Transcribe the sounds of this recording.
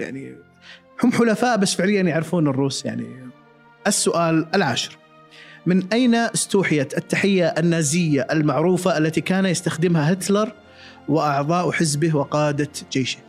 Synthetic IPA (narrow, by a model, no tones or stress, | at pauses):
ja̰ʕnḭ | hʊmħʊlafaːʔbasːfɪʕlɪjːanjaʕɾfuːnɨrˤːuːsja̰ʕnḭ | ʔasːʊʔaːlʔɪlʕa̰ːʃɪ̥ɾ | mɪnʔajnast̪uːħɪjaɪt̪ːaħɪjːaʔanːaːzɪjːaʔalmaʕɾuːfaʔalːat̪ikaːnajɪst̪axd̪ɪmhaɦɪt̪lɑɾˤ | wɪʔɑʕðˤɑːʔħɪzbɪhwɪqɑːd̪ad͡ʒeːʃɪ̥h